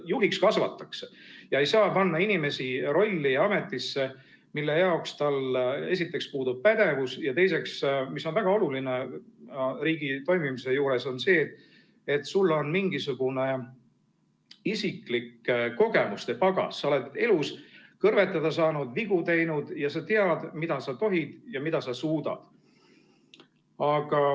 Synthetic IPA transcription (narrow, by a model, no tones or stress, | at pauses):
juɦikskɑsvɑ̰t̪ːˑɑksejɑe̞jsɑːpɑnːɑinime̞siro̞lʲːiɑme̞t̪ːˑisːe̞ | milːe̞jɑokst̪ɑle̞sit̪ːˑe̞kspuːd̪ub̥̚pæd̪̥e̞vusjɑt̪e̞js̬e̞ksmiso̞nvæɡ̥ɑo̞luline̞ | riːɡ̥it̪o̞jmimise̞juːɾe̞so̞nse̞ːt̪ | et̪ːsulːo̞nmiŋɡisuɡ̥une̞ | isikˑlikːko̞ɡ̥e̞must̪e̞pɑɡ̥ɑ̰sːɑo̞le̞d̪e̞luskɤrve̞t̪ːˑɑd̪̥ɑs̬ɑːnud̪̥viɡ̥ut̪e̞jnud̪̥jɑsɑt̪eɑd̪̥mid̪̥ɑsɑt̪o̞ɦid̪̥jɑmid̪̥ɑsɑsuːd̪̥ɑ̰d̪̥ | ɑɡ̥ɑ